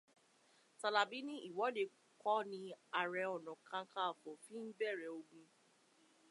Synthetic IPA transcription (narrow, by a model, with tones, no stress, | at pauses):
ta˨la˨bi˨˦nĩ˦ʔi˦˨wɔ˨˦de˨˧ | kʰɔ˦nĩ˧a˨ɾɛ˧˨ɔ˨nɔ̃˨kʰã˧˦kʰa˦˨fɔ˨fĩ˦m̩˦bɛ˦˨ɾɛ˨o˧ɡũ˧